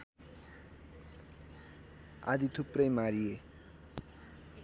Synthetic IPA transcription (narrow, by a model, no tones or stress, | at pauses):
a̰d̪it̪ʰuprʌjmaɾie